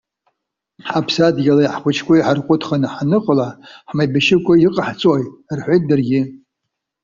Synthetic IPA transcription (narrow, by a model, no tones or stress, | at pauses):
ħapʰsadɡʲalajħχʷʊt͡ʃʰkʷʰʼaiħarqʷʼʊtʰχanɨħanɨqʼəlaħmajbaʃɪkʷʼaiqʼaħt͡sʼojtʼrħʷejt̚dɨrɡʲɪ